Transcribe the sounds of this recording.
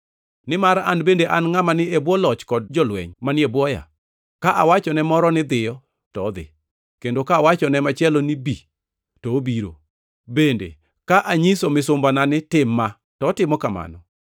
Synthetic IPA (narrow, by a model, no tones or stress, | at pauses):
nɪmaɾa̰nbendeʔanŋamanɪebwɔlɔt͡ʃkɔd̚d͡ʒɔlwɛ̰ɲmanɪebwɔja̰ | kaʔawat͡ʃɔnɛmɔɾɔnɪd̪ɪjɔ | tɔd̪ɪ̰ | kendokaːwat͡ʃɔnɛmat͡ʃjɛlonibi | tɔːbiɾo̰ | bendḛ | kaʔaɲisomɪsʊmbananɪtɪmːa | tɔːtɪmɔkama̰nɔ